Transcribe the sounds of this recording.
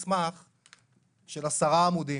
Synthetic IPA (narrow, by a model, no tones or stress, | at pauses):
smaχ | ʃelasaʁaːmud̪i